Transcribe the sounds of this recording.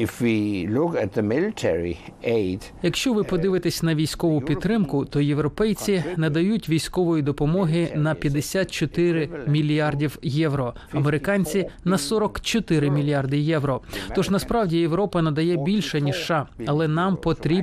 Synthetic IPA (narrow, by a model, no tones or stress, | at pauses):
ɪfwilʊkɨt̪̚ðəmɪlɪtʰɛɹḭeɪd̥ | jɐkʃt͡ʃɔʋɪpɔd̪ɪʋɪt̪esʲnɐʋʲijsʲkɔʋʊpʲid̪̚t̪ːɾɪmkʊt̪ɔjeʋɾɔpɛjt͡sʲinɐd̪ɐjutʲʋʲijsʲkɔʋɔjid̪ɔpɔmɔɦɪnɐpʲjɐd̪esʲat̪̚t͡ʃɔt̪ɪɾɪmʲilʲijɑrdʲiwjɛʋɾɔɐmeɾɪkɑnʲt͡sʲinɐsɔɾɔkt͡ʃɔt̪ɪɾɪmʲilʲiɑrd̪ɪjɛʋɾɔt̪ɔʒnɐspɾɑwdʲijewɾɔpɐnɐd̪ɐjɛbʲilʲʃɐnʲiʒʃːɑɐlˠɛnɑmpɔt̪ɾʲi